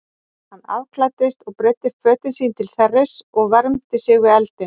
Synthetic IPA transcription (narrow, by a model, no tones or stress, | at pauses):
hanːa̰vkʰlat̪ɪst̪ɔɣpɾɪːt̪ɪfœːt̪ɪnsiːnt̪ʰɪlθɛrːɪsɔɣvɛɾmt̪ɪsɪɣɪɛlt̪ɪn